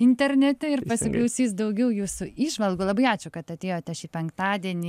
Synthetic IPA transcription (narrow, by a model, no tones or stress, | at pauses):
ɪnʲt̪ʲɛɾʲnʲɛt̪ʲɛɪrpɐsʲɪklˠɐʊsʲiːsd̪ɐʊɡʲɛʊjuːsʊiːʒʋɐlˠɡuːlˠɐbɐɪɑːt͡ʃʲʊkɐt̪ɐt̪ʲeːjoːt̪ʲɐʃipʲɛŋkt̪ɑːd̪ʲiɛnʲiː